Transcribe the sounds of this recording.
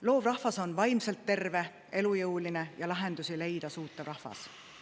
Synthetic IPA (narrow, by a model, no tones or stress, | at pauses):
lo̞ːvrɑhvɑso̞nvɑjmse̞lt̪ːe̞rve̞ | e̞lujɤwline̞jɑlɑɦe̞nd̪usile̞jd̪̥ɑsuːt̪ːˑevrɑhvɑ̰s